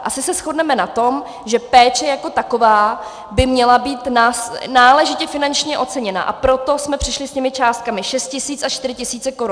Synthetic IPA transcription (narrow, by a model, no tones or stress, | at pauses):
ʔasɪsɛsxo̞dnɛmɛnat̪o̞m | ʒɛpɛːt͡ʃɛjako̞t̪ako̞vaː | bɪmɲɛlabiːt̪naːsnaːlɛʒɪcɛfɪnant͡ʃɲɛʔo̞t̪t͡sɛɲɛna̰ʔa̰pɾo̞t̪o̞smɛpr̥ɪʃlɪsɲɛmɪt͡ʃaːst̪̚kamɪʃɛst̪̚cɪsiːt͡sat͡ʃt̪ɪɾɪcɪsiːt͡sɛkoɾu